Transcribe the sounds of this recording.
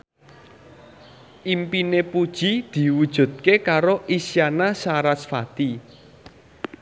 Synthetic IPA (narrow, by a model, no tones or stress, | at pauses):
ʔimpinepud̥ʒ̥id̪̥i̤wud̥ʒ̥ṳt̪̚kekaɾoʔisjanasaɾasfat̪i